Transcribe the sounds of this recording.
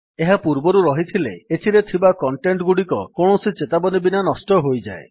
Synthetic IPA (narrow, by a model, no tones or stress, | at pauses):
eɦapuɾbɔɾuɾɔɦit̪ʰilḛet̪ʰiɾet̪ʰibakɔɳʈeɳʈɡuɽikɔ̰kɔɳ̃ɔsit͡ʃet̪abɔnibinanɔsʈɔɦojd͡ʒa̰e